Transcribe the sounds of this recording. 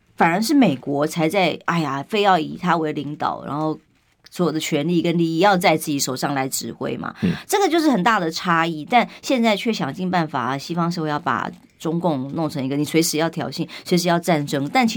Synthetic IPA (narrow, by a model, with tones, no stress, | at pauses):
fa˨˩ə˞˧˥ʂ̬ɻ̩˥˩me˨˩ɪkwɔ˧˥t͡sʰa˧˥ɪt͡sa˥˩ɪa˥˩ɪja˨˩fe˥˧ɪjɑ˥˩ʊḭ˨˩t̪ʰa˥we˧˥ɪli˧˥ŋt̪ɑ̰˨˩ʊɻa̰˧˥nxo˥˩ʊ | swɔ˧˥jo˨˩d̪ə˦t͡ɕʰɥɛ˧˥nli˥˩kə˧˥nli˥˧i˥˩jɑ˥˧ʊt͡sa˥˧ɪt͡sɹ̩˥˩t͡ɕi˧˥ʂo˨˩ʊʂɑ˥˩ŋla˧˥ɪʈ͡ʂɻ̩˧˥xwḛ˥ɪmɐ̰˨˩ʈ͡ʂɤ˥˩ɡə˩t͡ɕjo˥˧ʊʂɻ̩˥˩xə˨˩nt̪a˥˩d̪ə˩ʈ͡ʂʰa˥i˥˩t̪a˥˧nɕjɛ˥˧nt͡sa˥˧ɪt͡ɕʰɥɛ˥˩ɕjɑ˨˩ŋt͡ɕi˥˧ŋpa˥˩nfa˨˩˦ɕi˥fɑ˥ŋʂ̩˥˧jɑ˥˩ʊpa̰˨˩ | ʈ͡ʂʊ˥ŋkʊ˥˧ŋnʊ˥˩ŋʈ͡ʂʰɤ˧˥ŋi˧˥ɡə˨˩ni˨˩swe˧˥ɪʂɻ̩˧˥jɑ˥˩ʊt̪ʰjɑ˨˩ʊɕi˥˩nswe˧˥ɪʂɻ̩˧˥jɑ˥˧ʊʈ͡ʂa˥˩nʈ͡ʂɤ˥ŋt̪a˥˩nt͡ɕʰ